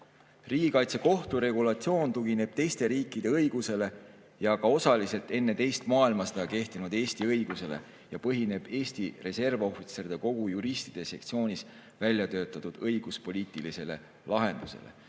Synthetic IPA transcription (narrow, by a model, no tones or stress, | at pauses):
riːɡ̥ʲikɑjt̪se̞ko̞ht̪uɾe̞ɡulɑt̪sio̞ːnt̪uɡ̥ine̞b̥̚t̪ejst̪e̞ɾiːkːˑid̪̥e̞ɤjɡ̥use̞le̞ | jɑkɑo̞sɑlise̞lt̪e̞nːe̞t̪ejst̪mɑːilmɑst̪ɑke̞ht̪inud̪̥e̞ːst̪iɤjɡ̥use̞le̞̰ | jɑpɤɦine̞b̥e̞ːst̪ire̞se̞rvo̞fit̪se̞rid̪̥eko̞ɡ̥ujuɾist̪id̪̥e̞sekt̪sio̞ːnis | vælʲjɑt̪ø̞ːt̪ːˑɑt̪ud̪̥ɤjɡ̥uspo̞lʲiːt̪ˑilise̞le̞ | lɑɦe̞nd̪̥usḛlḛ